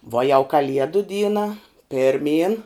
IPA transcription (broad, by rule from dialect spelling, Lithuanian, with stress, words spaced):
ʋuɔ jɛʊ kɐˈlʲiɛdʊ ˈdʲiːnɐ pʲɪrʲˈmʲiːn